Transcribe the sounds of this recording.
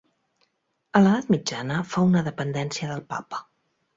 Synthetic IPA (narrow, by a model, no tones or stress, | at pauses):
ələðat̪mid͡ʒanəfaunəðəpənd̪ɛnsiəðəlˠpa̰pə̥